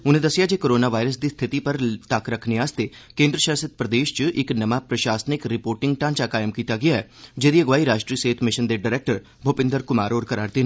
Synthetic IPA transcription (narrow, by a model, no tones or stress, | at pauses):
ʊnẽːd̪əsːɪjaːd͡ʒeːkoːɾoːnaːʋaːɪɾəs̬d̪iːst̪ʰɪt̪ipəɾt̪əkɾəkʰniaːst̪eːkẽːnd̪ɾəʃaːsət̪̚pɾəd̪eːʃt͡ʃəʔɪknəmaːpɾəʃaːsənɪkɾɪpoːɾʈɪŋɡ̚ʈãːnt͡ʃaːkaːjəmkiːt̪aːɡɪjaːɛːd͡ʒeːd̪iːəɡʋaːiːɾaːʃʈɾiːəseːt̪ʰmɪʃənd̪eɖaɾɛːk̚ʈəɾ | bʱoːpɪ̃nd̪əɾkʊmaːɾoːɾkəɾaːɾd̪eːnː